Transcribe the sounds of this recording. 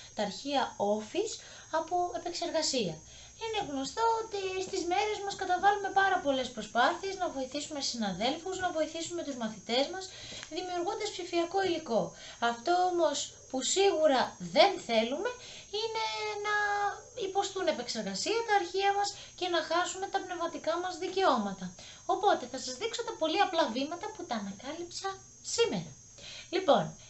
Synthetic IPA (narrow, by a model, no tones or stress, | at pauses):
t̪ɐːɾçiɐo̞fis | ɐpoe̞pe̞kse̞ɾɣɐsiɐ | ine̞ɣno̞st̪o̞ot̪ist̪izme̞ɾe̞zmɐskɐt̪ɐvɐlume̞pɐɾɐpo̞le̞spɾo̞spɐθie̞znɐvo̞iθisume̞sinɐðe̞lfuznɐvo̞iθisume̞t̪uzmɐθit̪e̞zmɐsðimiuɾɣund̪ɐspsifiɐko̞iliko̞ | ɐft̪o̞omo̞s | pusiɣuɾɐðe̞nθe̞lume̞ | ine̞nɐipo̞st̪une̞pe̞kse̞ɾɣɐsiɐt̪ɐːɾçiɐmɐs | ce̞nɐxɐsume̞t̪ɐpne̞vmɐt̪ikɐmɐzðice̞o̞mɐt̪ɐ | o̞po̞t̪e̞θɐsɐzðikso̞t̪ɐpo̞liɐplɐvimɐt̪ɐput̪ɐːnɐkɐlipsɐn | sime̞ɾɐ | lipo̞n